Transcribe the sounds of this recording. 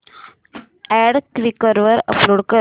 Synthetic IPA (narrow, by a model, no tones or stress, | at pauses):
æɽkɾikəɾʋəɾə̰ploɽkə